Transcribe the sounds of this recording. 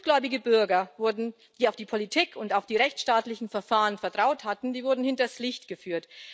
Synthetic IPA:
ɡ̥lɔʏbɪɡəbʏɐɡɐvʊɐdn̩ | d̥iːaʊfd̥iːpʰolitʰiːkʰʊntaʊfd̥iːʁɛçt͡sʃtaːtlɪçn̩fɛɐfaːʁənfɛɐtʁ̥aʊthatn̩diːvʊɐdn̩hɪntɐslɪçtɡ̥əfyːɐt

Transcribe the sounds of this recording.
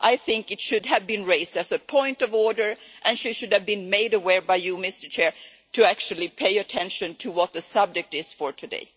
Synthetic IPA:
ʔaɪθɪ̃ŋkɨtʃʊd̚ɨvbɨ̃nɹeɪzdɨzɨpʰɔ̃ɪ̃ntʌvɔɹdə˞ʔɨ̃nʃiʃʊd̚ɨvbɨ̃nmeɪɾɨwɛɹbaɪjɨmɪstə˞t͡ʃʰɛɹ | tʰɨæk̚t͡ʃʉl̩ˠipʰeɪɨtʰɛ̃nʃɨ̃ntʰɨwʌt̪̚ðɨsʌb̚d͡ʒɨk̚tɪz̥fə˞tʰɨdḛɪ

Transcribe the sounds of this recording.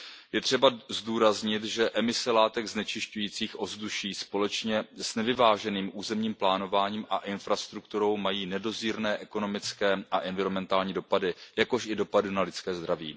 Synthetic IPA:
jɛt̪r̝̥ɛbazduːɾazɲɪt̪ʒɛʔɛmɪsɛlaːt̪ɛɡznɛt͡ʃɪʃcujiːt͡siːxʔo̞zduʃiːspo̞lɛt͡ʃɲɛsnɛvɪvaːʒɛniːmʔuːzɛmɲiːmplaːno̞vaːɲiːmʔaʔɪnfɾast̪ɾuk̚t̪uɾo̞wmajiːnɛdo̞ziːɾnɛːʔɛko̞no̞mɪt͡skɛːʔaʔɛnvɪɾomɛnt̪aːlɲiːdo̞padɪjako̞ʃɪdo̞padɪnalɪt͡skɛːzd̪ɾavḭː

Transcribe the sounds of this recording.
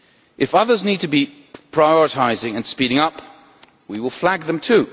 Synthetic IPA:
ʔɨfʌðə˞znid̚tʰəbi | pʰɹ̥aɪɔɹɨtʰaɪzɪ̃ŋɨ̃nspiɾɪ̃ŋʌp | wiwɪlˠflæɡ̚ðə̃mtʰʉ

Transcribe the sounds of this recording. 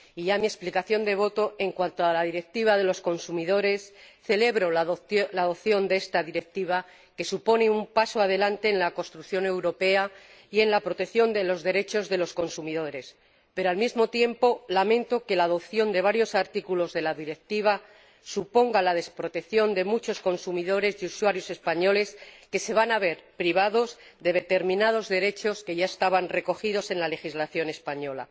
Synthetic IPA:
iʝamiesplikaθjo̞nd̪e̞β̞o̞t̪o̞e̞ŋkwant̪oalaðiɾe̞k̚t̪iβ̞aðe̞lo̞sko̞nsumiðo̞ɾe̞sθe̞le̞βɾo̞laðo̞pθjo̞nd̪eest̪aðiɾe̞k̚t̪iβ̞a | ke̞supo̞neumpasoaðe̞lant̪e̞ːnlako̞st̪ɾukθjo̞ne̞wɾo̞pe̞a | ie̞nlapɾo̞t̪ekθjo̞nd̪e̞lo̞zðe̞ɾe̞t͡ʃo̞zðe̞lo̞sko̞nsumið̞o̞ɾe̞s | pe̞ɾo̞almizmo̞t̪je̞mpo̞lamẽ̞nt̪o̞ke̞laːðo̞pθjo̞nd̪e̞β̞aɾjo̞saɾt̪ikulo̞zðe̞laðiɾe̞k̚t̪iβ̞a | supo̞ŋɡalað̞e̞spɾo̞t̪e̞kθjo̞nd̪e̞mut͡ʃo̞sko̞nsumiðo̞ɾe̞zuswaɾjo̞se̞spaɲo̞le̞ske̞se̞β̞anaβ̞e̞ɾpɾiβ̞aðo̞z | ðe̞ðe̞t̪e̞ɾmĩnað̞o̞zðe̞ɾe̞t͡ʃo̞ske̞ʝae̞st̪aβanre̞ko̞xiðo̞se̞nlale̞xizlaθjo̞ne̞spaɲo̞la̰

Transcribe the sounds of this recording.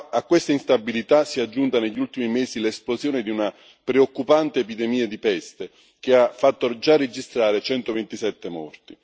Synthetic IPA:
akːwest̪ainst̪abːilit̪asiad͡ʒːunt̪aneʎːult̪imimɛːsilɛsplozjɔːned̪iuna | pɾeokːupant̪eːpid̪ɛmiːad̪ipɛst̪e | k̟eafːat̪ːod͡ʒarːed͡ʒist̪ɾaːɾet͡ʃɛnt̪ovent̪isɛt̪ːemɔ̰rt̪i

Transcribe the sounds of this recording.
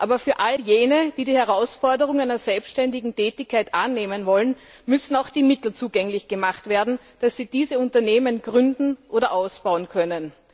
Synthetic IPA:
ʔaːbɐfyːɐʔaljeːnəd̥iːdiːhɛʁaʊsfɔɐdəʁ̞ʊŋæɪnɐzɛlpsʃtɛndɪɡŋ̩tʰɛːtɪçkʰːaɪtʔanːeːmənvɔlən | mʏsn̩aʊxd̥iːmɪtl̩t͡suːɡɛŋlɪçɡ̥əmaχtv̥eːɐdn̩ | d̥asːiːd̥iːzəʊ̃ntɐneːmənɡ̥ʁʏndn̩ʔoːɾɐʔaʊsb̥aʊənkʰœnən

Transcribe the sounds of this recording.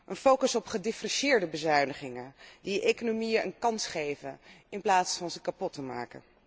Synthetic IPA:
ʔənfowkəsɔpχədɪfrɛʃɪːɹdəbəzœɥnəχɪŋədiekonomijəʔə̰nkɑnsχejvənɪnplaːtsfɑnzəkapɔtəma̰ːkə̰

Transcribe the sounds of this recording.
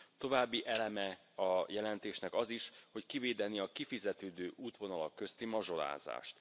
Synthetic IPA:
t̪o̞vaːbːiʔɛlɛmɛ | ɒjɛlɛnt̪eːʃnɛkɒziʃho̞ckiveːd̪ɛniɒkifizɛt̪øːd̪øːʔuːt̪ʋo̞nɒlɒkːø̞st̪imɒʒo̞la̰ːza̰ːʃt̪

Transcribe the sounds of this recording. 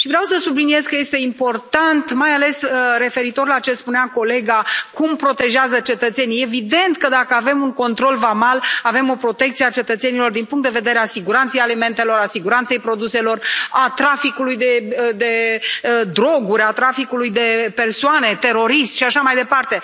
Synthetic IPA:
ʃivɾeawsəsublinije̞zkəje̞st̪e̞impo̞rt̪ant̪majale̞səɾe̞fe̞ɾit̪o̞rlat͡ʃe̞spuneako̞le̞ɡakumpɾo̞t̪e̞ʒeazət͡ʃe̞t̪ət̪se̞nije̞vid̪e̞nt̪kəd̪akəave̞muŋko̞nt̪ɾo̞lvamalave̞mo̞pɾo̞t̪e̞k̚t̪sieat͡ʃe̞t̪ət̪se̞nilo̞rd̪inpuŋkt̪d̪eve̞d̪e̞ɾeasiɡuɾant̪se̞jalime̞nt̪e̞lo̞ɾasiɡuɾant̪se̞jpɾo̞d̪use̞lo̞rat̪ɾafikulujd̪e̞d̪e̞ | d̪ɾo̞ɡuɾʲat̪ɾafikulujd̪e̞pe̞rsoane̞t̪e̞ɾo̞ɾist̪ʃiaʃamajd̪e̞part̪e̞

